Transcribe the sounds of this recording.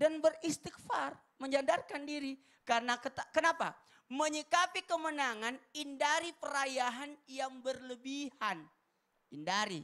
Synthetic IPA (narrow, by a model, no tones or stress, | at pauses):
danbərist̪ik̚far | məɲd͡ʒandarkandiɾi | karənakət̪akənapa̰ | məɲikapikəmənaŋanindaɾipəɾajaɦanjaŋbərləbihan | indaɾḭ